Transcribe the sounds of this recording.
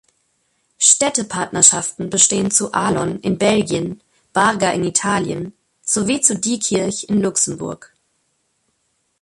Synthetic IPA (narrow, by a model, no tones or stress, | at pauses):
ʃtɛtəpʰaɐtnɐʃaftn̩bəʃteːənt͡suʔaːlɔnɪnbɛlɡjən | b̥aʁɡaʔɪnitʰaːljə̰n | t͡soviːt͡sudiːkʰɪɐçɪnlʊksm̩bʊ̰ɐk